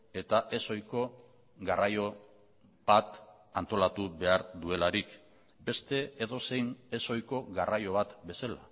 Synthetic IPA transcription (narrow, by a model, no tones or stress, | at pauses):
e̞t̪aʔe̞so̞jko̞ | ɣarajo̞ | bβat̪ | ant̪o̞lat̪uβe̞aɾd̪ue̞laɾik | be̞st̪e̞eðo̞se̞jneso̞jko̞ɣarajo̞βat̪be̞sala̰